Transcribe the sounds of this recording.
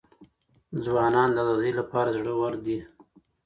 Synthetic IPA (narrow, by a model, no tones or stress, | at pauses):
d͡zwɑnɑnd̪əazɑd̪əjlapɑɾazɽəwaɾd̪i